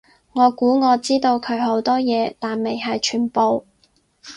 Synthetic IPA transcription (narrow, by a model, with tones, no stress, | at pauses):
ŋɔː˨˧kuː˨˥ŋɔː˨˧t͡siː˥t̪o˧wkʰɵ˨˧ɥɦo˨˥wt̪ɔː˥jɛː˨˧t̪aː˨nme˨jɦɐ˨jt͡ʃʰyː˨˩npo˨w